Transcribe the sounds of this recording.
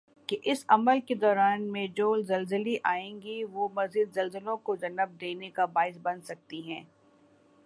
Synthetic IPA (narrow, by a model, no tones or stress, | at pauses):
keʔɪsɐməlked̪ɔːɾaːnmẽd͡ʒoːlzɐlzəliʔaːẽːŋɡiʋomɐziːd̪zɐlzəlõkod͡ʒɐnəb̚d̪eːnekabaːɪs̬bɐnsɐk̚t̪iɦɛ̃ː